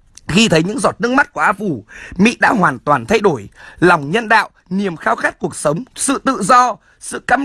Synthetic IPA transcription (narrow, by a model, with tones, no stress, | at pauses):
xi˧t̪ʰə˨˦jɲɨ̰˧˥ŋzɔ˨˩t̚nɨ˦˥əŋma˦˥t̚ku˧˩əʔaː˧fu˧˩mḭ˧˥ɗa̰ː˧˥ɦwaː˨˩nt̪waː˨˩nt̪ʰa˧jɗo˧˩jlɔ˨˩wŋ͡mɲə˧nɗa̰ː˧˨wʔni˨˩əmxaː˧wxa˦˥t̚ku˨˩ək̚sə˨˦wŋ͡msɨ̰˧˨t̪ɨ̰˧˨zɔ˧ | sɨ̰˧˨ka˧